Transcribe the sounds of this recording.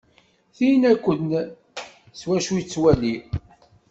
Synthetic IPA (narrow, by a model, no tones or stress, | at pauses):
θijnækʷːən | swæʃujt͡sːwæli